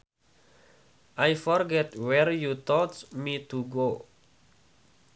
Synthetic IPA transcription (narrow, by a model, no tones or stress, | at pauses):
ʔajfɔrɡɛt̪wɛrjut̪ɔtmit̪uɡo